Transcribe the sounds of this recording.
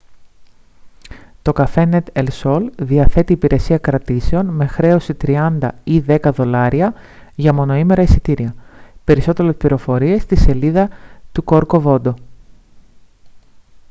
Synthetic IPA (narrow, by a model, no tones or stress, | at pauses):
t̪o̞kɐfenet̪elso̞lðiɐθe̞t̪iːpiɾe̞siɐkɾɐt̪ise̞o̞nme̞xɾe̞o̞sit̪ɾiɐnd̪ɐiðe̞kɐðo̞lɐɾiɐ | ʝɐmo̞no̞ime̞ɾɐisit̪iɾiɐpe̞ɾiso̞t̪e̞ɾespliɾo̞fo̞ɾie̞st̪ise̞liðɐt̪uko̞ɾko̞vo̞d̪o̞